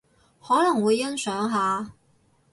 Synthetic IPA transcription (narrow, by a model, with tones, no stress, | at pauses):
hɔː˨˥lɐ˨˩ŋwuː˨˧jːɐ˥nsœː˨˥ŋɦaː˨˧